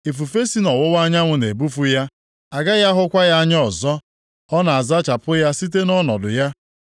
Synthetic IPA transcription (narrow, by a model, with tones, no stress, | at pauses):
e˨fu˨fe˦si˦nɔ˨wʊ˦wa˦ɲa˦ŋʷʊ˦ne˨bu˦fu˦ja˦ | a˨ɡa˦ja˦ɦʊ˦kʷa˦ja˦ɲ˦ɔ˨zɔ˦ | ɔ˦na˨a˨za˦t͡ʃa˨pʊ˦ja˦si˦t̬e˦nɔ˦nɔ̰˨dʊ̰˨ja˦